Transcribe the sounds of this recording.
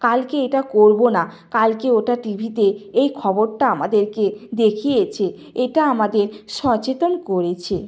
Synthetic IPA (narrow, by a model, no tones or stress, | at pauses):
kalkeeʈakoɾbona | kalkeoʈaʈibʱit̪eejkʰɔboɾʈaamad̪eɾked̪ekʰijet͡ɕʰe | eʈaamad̪eɾʃɔt͡ɕet̪onkoɾet͡ɕʰe